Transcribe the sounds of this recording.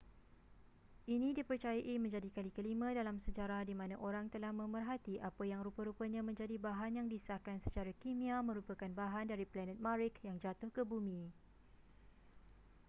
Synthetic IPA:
ʔinĩdipərt͡ʃajaʔimə̃ɲd͡ʒadikalikəlimãdalamsəd͡ʒaɾahdimãnãʔoɾaŋt̪əlahmə̃mərɦat̪iʔapajaŋɾupəɾupəɲãmə̃ɲd͡ʒadibaɦanjaŋdisakansə̥t͡ʃaɾakimĩamə̃ɾupakanbaɦandaɾiplɛnə̃t̪̚maɾɪkjaŋd͡ʒat̪ʊhkəbumĩ

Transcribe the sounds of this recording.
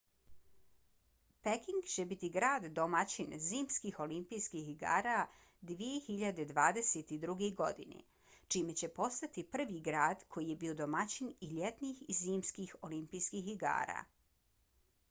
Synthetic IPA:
pekiŋɡt͡ɕe̞bit̪iɡɾaːd̪ːo̞mat͡ɕinziːmskixo̞limpijskixiɡa̰ːɾa | d̪ʋije̞xiʎad̪e̞d̪ʋaːd̪e̞set̪id̪ɾuɡeɡo̞d̪ḭnḛ | t͡ʃime̞t͡ɕe̞po̞st̪at̪ipr̩ʋiɡɾaːd̪kʰo̞jije̞biːo̞d̪omat͡ɕiniʎet̪nixiziːmskixo̞limpijskixiɡa̰ːɾa̰ː

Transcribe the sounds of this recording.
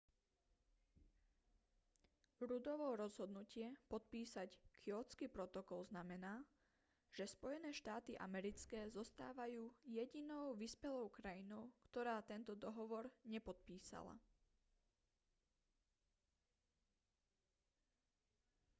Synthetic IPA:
ɾud̪ɔʋɔɾɔzɦɔd̪nucɪɛpɔt̪̚piːsackʰiɔt͡skipɾɔt̪ɔkɔlznamɛnaː | ʒ̥ɛspɔjɛnɛːʃt̪aːt̪iʔa̰mɛɾit͡skɛːzɔst̪aːʋajuːjɛɟinɔʊʋispɛlɔʊkɾajinɔʊkt̪ɔɾaːt̪ɛnt̪ɔd̪ɔɦɔʋɔɾɲɛpɔt̪̚piːsa̰la̰

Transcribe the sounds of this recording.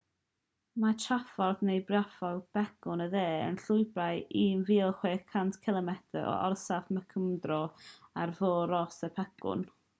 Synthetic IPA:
mat͡ʃʰafɔrðnejbrjafɔlˠb̥ɛkʊnəðeːə̰nɬʊjbrajiːnviːlˠχweːkʰantʰkʰɪlˠəmɛtʰə̰ʔɔ̰ʔɔ̰rsafməkʰəmdrɔarvoːɾɔsəpʰɛkʊ̰n

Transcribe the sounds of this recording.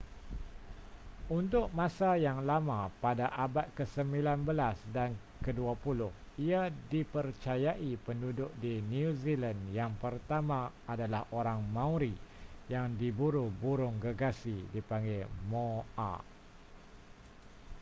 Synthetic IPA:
unt̪ʊk̚mãsajaŋlamãpadaʔabat̪̚kəsəmbilanbəlasdan | kəduapulʊhiadipərt͡ʃajaʔipəndudʊʔ̚dinuzilanjaŋpərt̪amã | adalahʔoɾaŋmãuɾijaŋdibuɾubuɾʊŋɡəɡasidipaŋɡemoa̰

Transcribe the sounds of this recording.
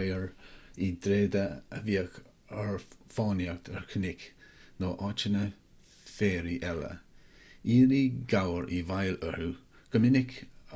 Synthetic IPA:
jəɹid̪ɾeːd̪əəviːək | əɹfɑːnjaɹt̪ʰəɹkʰənɪk | noːʔɑt͡ʃənə | feːɾiʔɛlə̰ | iːɾiɡawəɹʔivajləɹu | ɡ̥əmɪnɪk

